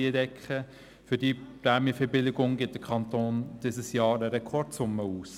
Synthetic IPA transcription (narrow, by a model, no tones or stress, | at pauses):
iədɛkχə | fʏdiːpɾamifɛbɪlɪɡʊŋɡɪt̚d̥əkʰɑnt̪oːnd̥ɪsəsjɑːɾəɾɛkʰɔɾtsʊmːəuːs